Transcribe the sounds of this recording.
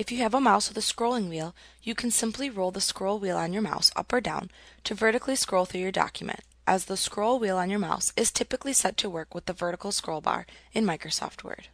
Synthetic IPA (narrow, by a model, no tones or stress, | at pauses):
ɨfjɨːvəmaʊsʌðəskɹoʊlˠɪ̃ŋwilˠ | jɨkʰn̩sɪ̃mpʰliɹoʊlˠðəskɹoʊlˠwilˠə̃njə˞ma̰ʊsʌ̰pə˞dãʊ̃ntʰɨvɜ˞ɾɨkʰliskɹoʊlˠθɹʉjə˞dɑ̰kʰjɨmɨ̰̃nt | ʔəzðəskɹoʊlˠwilˠə̃njə˞ma̰ʊsɨz̥tʰɪpɨklisɛtʰɨwɜ˞kwɨðəvɜ˞ɾɨkl̩ˠskɹoʊlˠbɑ̰ɹɨ̃nmaɪkɹosɔ̰ft̚wɜ̰˞d̥